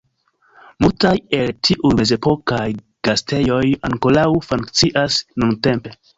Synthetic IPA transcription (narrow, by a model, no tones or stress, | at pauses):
multaje̞ltʰiʔujme̞ze̞po̞kaj | ɡ̥aste̞jo̞jaŋkolawfuŋkt͡siʔasnunte̞mpe̞